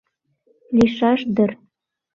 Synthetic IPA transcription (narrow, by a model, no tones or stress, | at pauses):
liʃɑʃd̪ə̆r